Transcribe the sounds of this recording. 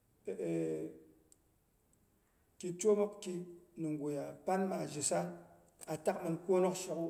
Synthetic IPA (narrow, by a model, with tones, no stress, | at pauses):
e˨ | ki˨t͡ʃo˦mo˦kki˦nɨ˨ŋɡo˨ja˨pa˦nɓa˨ʒi˨sa˦n | a˨ta˦k̚mɨ˨nko˦no˦kʃi˨ku˦